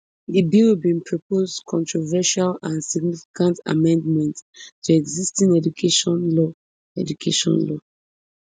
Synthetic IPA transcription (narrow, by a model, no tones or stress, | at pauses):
dibibĩnpʰɹɔpʰozkʰɔ̃ntɹɔvɛʃalãnsiɡnifi̥kʰãnta̰mɛ̃ndmɛ̃nttʰuɛɡzistĩŋɛd͡ʒukʰeʃɔ̃nlɔ | ɛdukʰeʃɔ̰̃nlɔ